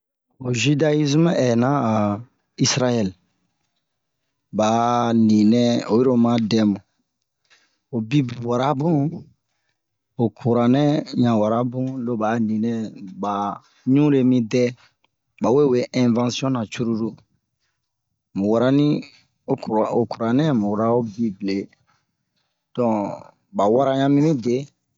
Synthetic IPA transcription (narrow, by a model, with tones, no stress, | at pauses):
o˨ʒi˦da˦i˦zm˦ɛ˨nã˦a˨ | i˦sɾa˦jɛ˦˨l | ba˨nĩ˨nɛ̃˦o˨ji˦ɾo˦mã˦dɛ˨mõ˨ | o˨bi˦bwa˨ɾa˦bũ˦ | o˨kʰu˨ɾa˨nɛ̃˦ɲã˨wa˨ɾa˦bũ˦lo˦ba˨˦nĩ˨nɛ̃˦ba˨ | ɲũ˦ɾe˨mĩ˦dɛ˦ | ba˨we˦we˦ʔɛ̃˨vã˦si˦ɔ̃˦nã˨t͡ʃu˦ɾu˦ɾu˦ | mu˨wa˨ɾa˦nĩ˦ | o˦ko˨ku˨ɾa˨nɛ̃˦mu˨ɾa˦o˦bi˦ble˨ | d̥ɔ̃˨ | ba˨wa˦ɾa˦ɲã˦mĩ˦mĩ˦de˨˦